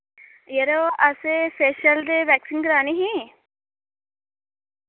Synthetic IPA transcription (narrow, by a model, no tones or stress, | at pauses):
jeɾoɐseseʃɐld̪eʋæksinɡɾaːniɦĩ